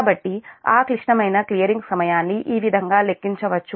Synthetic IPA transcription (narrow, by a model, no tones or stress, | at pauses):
bɐʈːia̰ːkliʂɳɐmɐjnɐklijɐɾiŋɡsɐmɐjaːnːiʔiːʋid̪ʱɐŋɡaːle̞kːiɲt͡ʃɐʋɐt͡ʃːu